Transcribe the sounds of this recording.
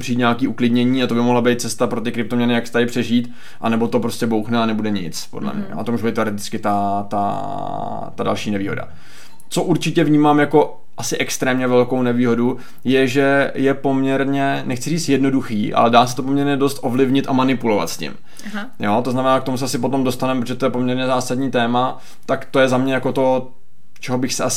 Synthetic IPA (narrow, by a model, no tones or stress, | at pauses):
pr̝̥iːt̪ɲakiːʔuklɪdɲɛɲiːat̪obɪmoɦlabejt̪̚t͡sɛst̪apɾo̞t̪ɪkɾɪpt̪omɲɛnɪjaksɛ̥t̪adɪpr̝̥ɛʒiːt̪ | ʔa̰nɛbo̞t̪o̞pɾoscɛbowxnɛanɛbudɛɲɪ̰t͡spo̞̰dlɛ̰mɲɛ̰joːt̪omuːʒubt̪ːɛoɾɪt̪ɪ̥t͡skɪt̪at̪a̰ | t̪adalʃiːnɛviːɦo̞̰da̰ | t͡so̞ʔuɾt͡ʃɪcɛvɲiːmaːmjako̞ | ʔasɪʔɛkst̪ɾɛːmɲɛvɛlkownɛviːɦo̞du | jɛʒɛjɛpo̞mɲɛɾɲɛnɛxt͡sɪriːt͡st̪jɛdno̞duxiːʔa̰lɛdaːs̬ɛ̥t̪o̞po̞mɲɛɾɲɛdo̞st̪ʔo̞vlɪvɲɪt̪ʔamanɪpulo̞va̰t̪scɪ̰m | jo̞t̪o̞znamɛnaːkt̪omusɛʔasɪpo̞t̪o̞mdo̞st̪anɛmpɾot̪oʒɛt̪ojɛpo̞mɲɛɾɲɛzaːsadɲiːt̪ɛːma | t̪akt̪o̞jɛzamɲɛjako̞t̪o̞ | t͡ʃɛɦobɪxsɛas